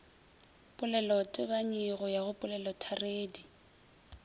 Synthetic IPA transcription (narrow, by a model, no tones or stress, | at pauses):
pʼʊlɛlɔtʼɪβaɲɪɣɔjaɣʊpʼʊlɛlɔtʰareːdi